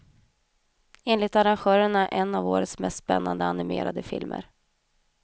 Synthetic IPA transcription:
eːnlɪt̪aɾanɧœːɾəɳaʔɛnːavoːɾət̪smɛst̪spɛnːand̪əanɪmḛːɾad̪əfɪ̰lmʔə̰ɾ

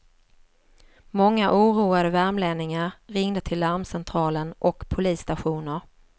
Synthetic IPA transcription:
mɔŋːaʔuːɾuːad̪əvæɾmleːnɪŋaɾɾɪŋd̪ət̪ʰɪlːaɾmsɛnt̪ʰɾɑːlənʔɔkpʰʊliːsːt̪aɧuːnəɾ

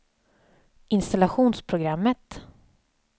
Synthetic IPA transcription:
ʔɪnst̪alaɧuːnspʰɾʊɡɾamːət̪

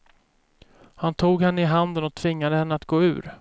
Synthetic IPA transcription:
hant̪ʰuːɡhɛnːəɪɦand̪ənɔt̪ʰvɪŋːad̪əhɛnːəat̪ɡoːʉ̟̰ːɾ

